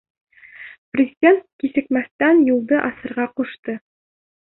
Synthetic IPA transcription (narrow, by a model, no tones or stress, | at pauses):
prʲɪzʲidʲent̪̚kisɘ̆kmæθt̪ænjulˠd̪ɤʔɑsɤ̆ɾʁɑquʃt̪ɤ